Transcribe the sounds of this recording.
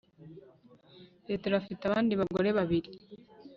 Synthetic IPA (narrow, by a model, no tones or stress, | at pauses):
ɾeteɾafitaβaːndiβaɡo̞ɾe̞βaβiɾi